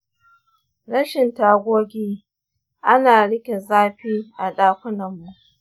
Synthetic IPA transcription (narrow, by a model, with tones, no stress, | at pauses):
ɽɐ˦ʃɪ˨ntaː˦ɡʷoː˦ɡʲiː˦ | ʔa˦naː˨ɽɪ˦kʲe˨zaː˦ɸiː˦ʔa˨ɗaː˦kʷʊ˦nɐ˨mːu˨ʔ